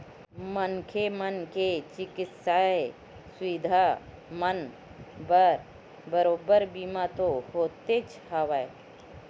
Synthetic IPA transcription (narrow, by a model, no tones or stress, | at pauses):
mənkʰemənket͡ʃɪkɪt̪sae | swid̪ʱa | mən | bəɾ | bəɾoːbəɾbiːmat̪ohoːt̪et͡ʃʰ | hawəe